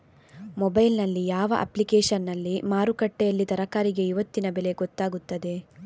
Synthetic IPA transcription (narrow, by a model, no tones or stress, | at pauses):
mɔbɐjlnɐlːijaːʋɐ̰ʔɐ̰plikeːʂɐnːɐlːimaːɾukɐʈːejɐlːid̪ɐɾɐkaːɾiɡe̞iʋɐt̪ːinɐbɛle̞ɡɔt̪ːaːɡut̪ːɐd̪e̞